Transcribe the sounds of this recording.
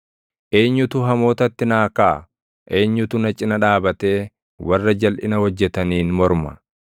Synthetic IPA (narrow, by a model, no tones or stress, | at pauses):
ʔe̞ːɲːʊt̪ʊɦɐmo̞ːt̪ɐt̪ːɪnaːkaː | ʔe̞ːɲːʊt̪ʊnɐt͡ʃʼːɪnɐᶑaːbɐt̪e̞ː | wɐrːɐd͡ʒɐlʔɪnɐhɔd͡ʒːɛt̪ɐniːnmɔɾmɐ